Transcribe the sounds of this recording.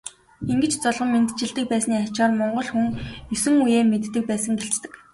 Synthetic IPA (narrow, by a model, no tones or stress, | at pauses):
iŋɡɘ̆t͡ɕt͡sɔɮʁɞ̆mːent̪t͡ɕɪ̆ɮt̪ɘ̆k̚pæːsniːat͡ɕaːrmɔɴɢɞ̆ɮxuŋjɵsɵ̆ŋujeːmet̪ːɘ̆k̚pæːsə̆ŋɡeɬt͡st̪ɘ̆k